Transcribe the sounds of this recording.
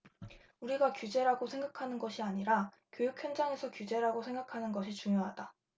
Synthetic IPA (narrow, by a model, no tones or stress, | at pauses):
uɾiɡakjud͡ʑe̞ɾaɡosʰe̞ŋɡakʰanɯnɡʌɕʰiaɲiɾa | kjojuk̚ʰçjʌnd͡ʑaŋe̞sʰʌkjud͡ʑe̞ɾaɡosʰe̞ŋɡakʰanɯnɡʌɕʰit͡ɕuŋjoɦad̥a